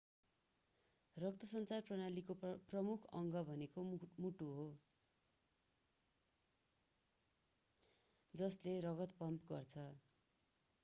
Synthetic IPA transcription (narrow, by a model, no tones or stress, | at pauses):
rʌk̚t̪ʌsʌnt͡sarprʌnalikoprʌmukʰʌŋɡʌbʱʌnekomuʈuɦo | d͡zʌslerʌɡʌt̪̚pʌmpɡʌ̰rt͡sʰʌ